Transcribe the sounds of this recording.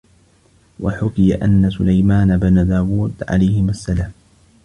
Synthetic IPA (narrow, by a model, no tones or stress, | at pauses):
waħʊkɪjaʔanːasʊlajmaːnabanad̪aːwuːd̪ʕa̰lajhɪmasːalaːm